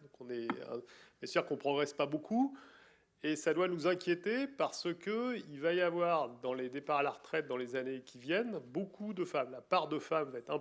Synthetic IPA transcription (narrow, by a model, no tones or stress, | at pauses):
d̪ɔ̃kɔ̃nɛɛ̰̃mɛsiʁkɔ̃pχɔɡʁɛspabokʰu | esad̪wanuzɛ̃kʲjet̪epaʁsəkəilvajavwaʁd̪ɑ̃led̪epaʁalaʁt̪χɛt̪̚d̪ɑ̃lezanekʲivjɛnbokʰud̪əfamlapaʁd̪əfamvaɛt̪χɛ̃